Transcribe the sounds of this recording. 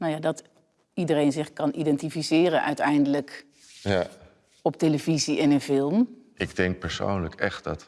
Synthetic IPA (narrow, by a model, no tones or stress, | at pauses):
nowjaːdɑt | idərejnzɪχkɑnʔidɛntifisɪːrənʔœ̰ɥtɛjndələk | ja | ɔpteləviziʔɪnənfɪlˠmʔɪɡdɛŋk̚pɛɹso̰wnləkɛχt̚dɑt